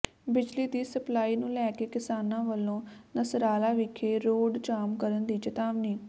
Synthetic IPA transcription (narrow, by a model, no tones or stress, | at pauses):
bɪd͡ʒliːd̪iːsəplaːiːnũːlɛːkeːkɪsaːnãːʋəlːõːnəsɾaːlaːʋɪkʰːeːɾoːɖt͡ʃaːmkəɾənd̪iːt͡ʃət̪aːʋniː